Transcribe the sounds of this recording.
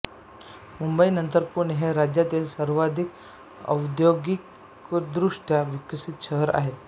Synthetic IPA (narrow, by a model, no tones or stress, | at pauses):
mumbəinənt̪əɾpuɾɳɦeɾad͡ʑjat̪iːlsəɾʋad̪ʱik | ə̰wd̪joɡik | d̪ɾuʂʈjaʋikəsit̪ɕəɦəɾa̰ɦe